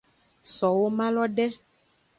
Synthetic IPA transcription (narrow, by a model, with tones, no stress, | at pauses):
sɔ˨wo˦mã˦lɔ˦ɖɛ˦